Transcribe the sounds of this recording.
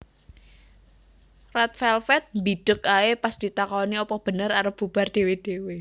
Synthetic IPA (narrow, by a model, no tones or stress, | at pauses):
rat̪̚fɛlfɛt̪̚mbid̥ə̤kaepasd̪̥i̤t̪akɔniɔpɔb̥ə̤nəɾaɾəpb̥ub̥ard̥e̤wed̥e̤we